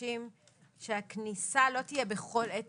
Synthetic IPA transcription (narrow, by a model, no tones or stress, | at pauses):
im | ʃeaknisalo̞t̪ije̞beχo̞let